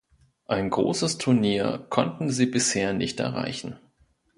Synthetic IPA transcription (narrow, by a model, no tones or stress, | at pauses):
ʔaɪnɡʁo̰ːsəstʰʊɐniːɐkʰɔntn̩ziːbɪsheːɐnɪçtʔɛ̰ɐʁa̰ɪçn̩